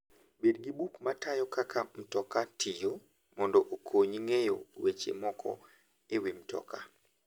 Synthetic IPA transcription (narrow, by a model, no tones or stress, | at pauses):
bedɡibukmatajɔkakʰam̩tɔkatijo | mɔndɔʔokʰoɲiŋejowet͡ʃḛmɔkʰɔ̰ | ewim̩tɔ̰ka̰